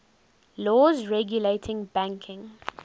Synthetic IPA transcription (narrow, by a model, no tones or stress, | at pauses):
lɔːzɹɛɡjuleːtʰɪ̃ŋbæ̃ŋkʰɪ̃ŋ